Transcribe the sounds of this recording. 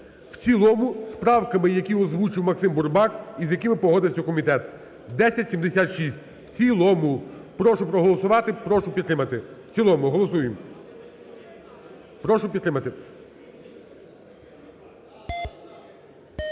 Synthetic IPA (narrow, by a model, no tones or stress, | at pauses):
wsʲilˠɔmʊspɾɑwkɐmɪjɐkʲiɔzʋut͡ʃɪwmɐksɪmburbɑkizjɐkɪmɪpɔɦɔd̪ɪwsʲɐkɔmʲit̪ɛt̪ | d̪ɛsʲɐtʲsʲimd̪esʲat̪ʃisʲt̚ʲ | wt͡sʲilˠɔmʊpɾɔʃʊpɾɔɦɔlˠɔsʊʋɑt̪ɪpɾɔʃʊpʲit̪ːɾɪmɐt̪ɪwt͡sʲilˠɔmʊɦɔlˠɔsujem | pɾɔʃʊpʲid̪t̪ːɾɪmɐt̪ɪ